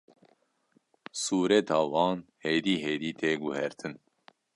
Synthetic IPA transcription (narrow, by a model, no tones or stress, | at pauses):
suːɾɛt̪ʰɑːwɑːnheːd̪iːɦeːd̪iːt̪ʰeːɡuhɛɾt̪ʰɨn